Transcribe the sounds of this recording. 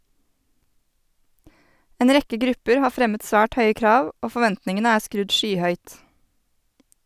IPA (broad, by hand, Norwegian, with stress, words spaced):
ˈeːn ˈɾɛkə ˈɡɾʉpəɾ ˈhɑː ˈfɾɛmət ˈsʋæːʈ ˈhœʏə ˈkɾɑːʋ ˈoː fɔˈʋɛntnɪŋənə ˈæː ˈskɾʉd ˈʃyːˌhœʏt